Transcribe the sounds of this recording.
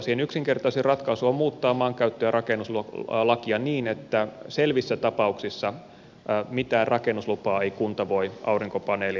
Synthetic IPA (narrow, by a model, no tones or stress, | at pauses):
siːhenyksiŋkert̪ɑiserɑt̪kɑisuommuːt̪ːɑːmɑːŋkæyt̪ːøjærʔɑkenːˑuslulɑkiɑniːnet̪ːæselʋisːæt̪ɑpɑuksisːɑ | mit̪æːrrʔɑkenːuslupɑːeikunt̪ɑʋoiʔɑuriŋkopɑneːli